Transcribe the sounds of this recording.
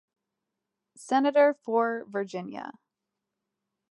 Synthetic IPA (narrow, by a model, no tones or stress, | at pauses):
sɛnɨɾə˞fə˞və˞d͡ʒɪ̃njɨ̰